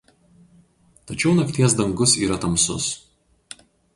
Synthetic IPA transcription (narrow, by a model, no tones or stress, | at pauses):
t̪ɐt͡ʃʲɛʊnɐkt̪ʲiɛs̬d̪ɐŋɡʊsiːɾɐt̪ɐmsʊ̰s